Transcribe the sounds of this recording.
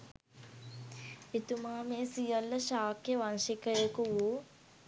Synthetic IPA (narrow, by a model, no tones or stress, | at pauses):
it̪umaːmeːsijɐlːɐʃaːkjeʋanʃikəjekuʋu